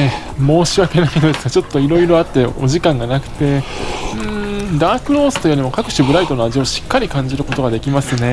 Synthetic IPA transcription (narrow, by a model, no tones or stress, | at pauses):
e | mo̞ːɕiβake̞nainod̪esɨɡat͡ɕo̞t̪ːo̞iɾo̞iɾo̞at̪ːe̞o̞̰ʑikãŋɡanakɯ̟̥t̪e̞ɯ̟̃d̪aːkɯ̟ɾo̞ːsɨ̥t̪ojɯɾʲimokakɯ̟̥ɕibɯ̟ɾait̪o̞no̞aʑio̞ɕi̥kːaɾʲikãɲ̟d͡ʑiɾɯ̟ko̞t̪o̞ɡad̪e̞kʲimasɨne̞